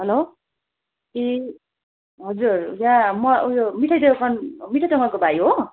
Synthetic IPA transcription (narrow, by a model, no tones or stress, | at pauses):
ɦʌlo | e | ɦʌd͡zurjãmʌujomiʈʰʌjd̪ekʰʌnmiʈʰʌjd̪ʌŋʌkobʱajɦo